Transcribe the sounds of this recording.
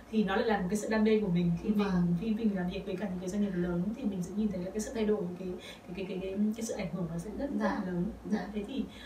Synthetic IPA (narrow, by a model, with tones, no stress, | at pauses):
t̪ʰi˨˩nɔ˨˦la̰ː˧˨la˨˩mo˨˩kːa˨˦sɨ̰˧˨ɗaː˧ŋɗe˧ku˧˩əmï˨˩ŋ̟xi˧vi˨˩˨fi˧nvi˧˩i˨a˨˩vi˨˩ək̚və˨˦kaː˧˩ɲɨ̰˧˥kaː˨˦jza˧ŋi˨˩p̚ləː˨˦n˧˥t̪ʰi˨˩mi˨˩ŋ̟sə̰˧˦ŋɲi˨˩nt̪ʰlaː˨˩kaː˨˦sɨ̰˧˨t̪ʰjɗo˧˩jvə˨˦kaː˨˦j | kːka˨˦ka˨˦jka˨˦jka˨˦sɨ̰˧˨ʔa˧˩ŋ̟hɨ˧˩əŋmaː˨˩sɛ̰˧˥zə˦˥˧a˧˦˧ləː˨˦nt̪ʰe˨˦t̪ʰi˨˩